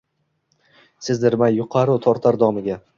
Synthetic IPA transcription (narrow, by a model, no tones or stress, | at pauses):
sɪzd̪ɪɾmajːʊqʰɑɾʊt̪ʰɒɾt̪ʰaɾd̪ɒmɪɡʲa